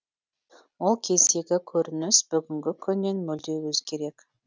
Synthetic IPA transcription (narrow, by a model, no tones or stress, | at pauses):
wolˠkʲʰe̞ze̞ɡʲɪkʲʰɵɾɪnɪsb̥ʏɡʲɪŋɡʲɪkʲʰʏnːe̞nmɵld̪e̞wɵzkʲʰe̞ɾe̞k